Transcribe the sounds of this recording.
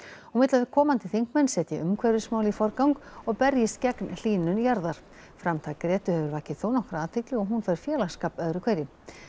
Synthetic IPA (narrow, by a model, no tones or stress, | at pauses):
ɔɣmɪt̪laðɪ̥kʰɔːmant̪ɪθiŋ̥kmɛnːsɛːt̪jɛʔʏmkʰvɛjɾɪsmaːwlifɔɾkawŋkɔɣpɛɾjɪst̪cɛknl̥iːnːʏnjaɾðaɾ̥ | fɾamt̪ʰakɾɛːt̪ʏhɛvʏɾvaːhcɪθoːwnɔhkɾaat̪ʰɪk̪lɪɣɔɦunfɛjɾ̥fjɛːlaskaːpœðɾʏkʰvejɾɪ